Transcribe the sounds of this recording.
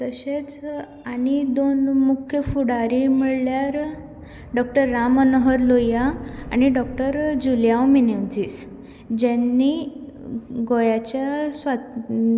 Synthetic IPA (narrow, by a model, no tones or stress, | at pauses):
t̪əɕet͡s | anid̪onmukʰːjəfuɽaɾimiɭljaɾ | ɖɔk̚ʈəɾːamənəɦəɾlojaa̰ñiɖɔk̚ʈəɾd͡ʑuljawmineʋd͡ziːs | d͡ʑanːi | ɡojat͡ɕjasʋa